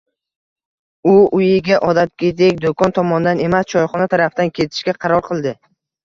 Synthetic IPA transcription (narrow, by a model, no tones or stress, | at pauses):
ʊʊjɪɡʲaʔɒd̪at̪̚kʲed̪ek̚ʲd̪okʰɒnt̪ʰɒmɒnd̪ane̞mast͡ʃʰɒjχɒnat̪ʰaɾafd̪ankʲʰe̞t̪ʰɪ̥ʃkʲaqʰɑɾɒɾqʰɨlˠd̪ɪ